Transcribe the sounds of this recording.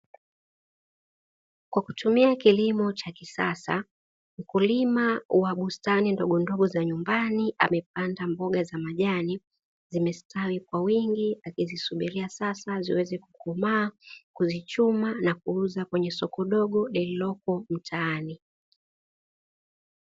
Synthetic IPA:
kwaku̥tumiakilimɔt͡ʃakisasa̰ | m̩kulimawaɓustanindɔɠɔndɔɠɔzaɲumbaniʔa̰mɛp̚andambɔɠazamaʄani | zimɛstawikwawiŋɡiakizisuɓiɾiasasazḭwɛzɛku̥kɔmaːkuzit͡ʃumanakuuzakwɛɲɛsɔkɔɗɔɠɔɗɛllɔkɔm̩tʰaːni

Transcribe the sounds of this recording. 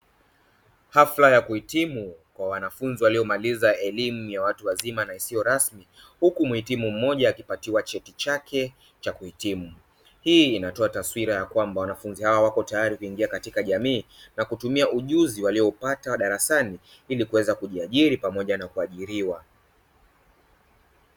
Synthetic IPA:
haflajakuhitimukwawanafunziwaliɔmalizaɛlimujawatuwazimanaisijɔɾasmi | hukumuhitimum̩mːɔʄaːkipatiwat͡ʃɛtit͡ʃakʰɛ | t͡ʃakuhitimu | hiːinatɔataswiɾajakwambawanafunzihawawakɔtajaɾikuiŋɡiakatikaʄamiːnakutumiauʄuziwaliɔpatawaɗaɾasani | ilikuwɛzakuʄiaʄiɾipamɔʄanakuaʄiɾiwa

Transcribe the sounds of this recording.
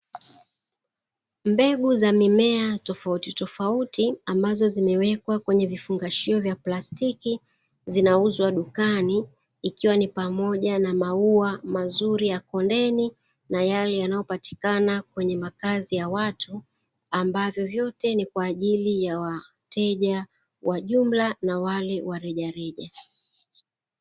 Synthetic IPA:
mbɛɠuzamimɛatɔfautitɔfautiambazɔzimɛwɛkwakwɛɲɛvifuŋɡaʃiɔvjaplastiki | zinauzwaɗukaniː | kiwanipamɔʄanamauamazuɾijakɔndɛni | najalɛjanajɔpati̥kanakwɛɲɛmakazijawatʰu | ambavjɔvjɔtɛnikwaːʄilijawa | tɛʄa | waʄum̩lanawalɛwaɾɛʄaɾɛʄa

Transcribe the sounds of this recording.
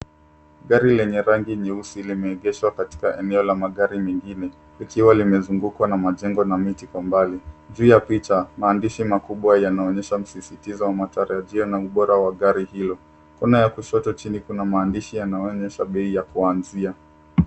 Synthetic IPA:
ɠaɾilɛɲɛɾaŋɡiɲiusilimɛːɠɛʃwakati̥kaʔɛnɛɔlamaɠaɾimɛŋɡinɛ | likiwalimɛzuŋɡukwanamaʄɛŋɡɔnamitikwambaliʄuːjapit͡ʃamaːndiʃimakuɓwajanaɔɲɛʃam̩sisitizɔwamataɾaʄiɔnauɓɔɾawaɠaɾihilɔ | kunajakuʃɔtɔt͡ʃinikunamaːndiʃijanaɔɲɛʃaɓɛijakuanzia

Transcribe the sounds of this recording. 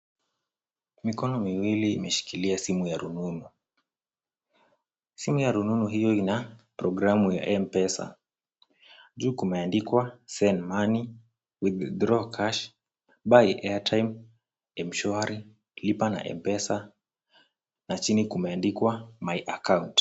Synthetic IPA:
mikɔnɔmiwiliːmɛʃi̥kiliasimujaɾununu | simujaɾununuɦijɔinapɾɔɡɾamuja̰ʔɛmpɛsa̰ | d͡ʒuːkumɛandikwasɛnmani | wiðdɾɔkʰaʃ | bajiʔɛatʰajm | ɛmʃɔaɾi | lipana̰ʔɛ̰mpɛsa | nat͡ʃinikumɛandikwamajʔakaunt

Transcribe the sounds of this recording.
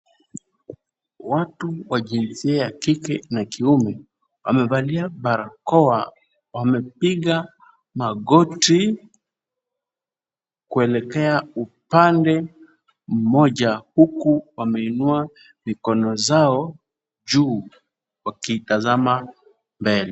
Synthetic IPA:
watuwaʄinsiɛjakikɛnakiumɛ | wa̰mɛvaliaɓaɾakɔa | wamɛpiɠa | maɠɔti | kuɛlɛkɛaupandɛ | m̩mɔʄahukuwamɛinua | mikɔnɔzaɔ | ʄuː | wakitazama | mbɛlɛ

